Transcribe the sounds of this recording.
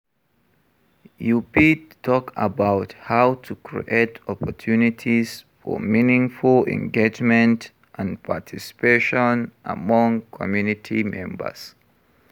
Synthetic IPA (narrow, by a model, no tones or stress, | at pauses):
jupitʰɔka̰baʊthawtʰukʰɹḭʔetʰɔpɔtʰjunitʰisfɔ̰minĩŋfulɛ̰̃ŋɡed͡ʒmɛ̃nt | ʔãnpʰatʰisi̥peʃɔ̃nʔa̰mɔ̃ŋkʰɔmjunitʰimɛ̰̃mbə̰s